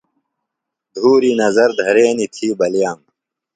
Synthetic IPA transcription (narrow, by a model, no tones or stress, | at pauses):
d̪ʱuːɾinɐzɐɾd̪ʱɐɾeːnit̪ʰiːbɐlijaːm